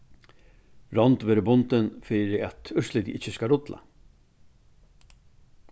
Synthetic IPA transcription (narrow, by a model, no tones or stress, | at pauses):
ɾɔnt̪ʋeːɾɪbʊnt̪ɪnfɪːɾɪat̪ʏʂslɪt̪ḭʔɪt͡ʃːəskaɾʊt̪la̰